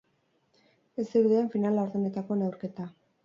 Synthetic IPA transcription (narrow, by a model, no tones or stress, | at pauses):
e̞sd̪eɾðeeɱfinalaoɾðene̞t̪ako̞newɾke̞t̪a